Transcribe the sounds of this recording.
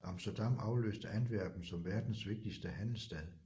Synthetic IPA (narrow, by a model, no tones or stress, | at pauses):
ɑ̈msd̥ɐd̥ɑ̈mɑ̈ʊlø̰ːsd̥əʔænʋæɐ̰b̥n̩sɒ̽mʋæɐd̥n̩sʋe̝ɡ̥̚d̥isd̥əhæn̰l̩sd̥ɛð̰ˠ